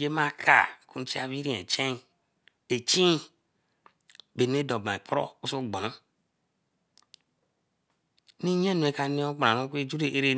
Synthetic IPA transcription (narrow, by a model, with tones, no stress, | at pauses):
d͡ʒe˦ma˦kʰa̰˨kʰũ˦t͡ʃi˦a˦βi˦ɾĩ˦ḛ˨t͡ʃe˦˨ | e˨t͡ʃĩ˦ | be˨n˦e˦do˨bã˨k͡pʰɾo̰˦u˦so˦˨ɡ͡bɔ˨õ˦ | ni˦ɲ˦ẽ˦nu˨e˨˦ka˨nĩ˦o˦k͡pã˨nõ˦ke˦d͡ʒu˦ɾe˨ʔe˦ɾe˦